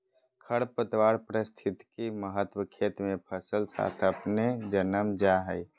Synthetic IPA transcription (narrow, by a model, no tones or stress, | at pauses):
kʰəɽpət̪waːɾpəɾəst̪ʰɪt̪kiməɦət̪wəkʰeːt̪mẽpʰəsəlsa̰ːt̪ʰəpned͡ʒənəmd͡ʒaɦəi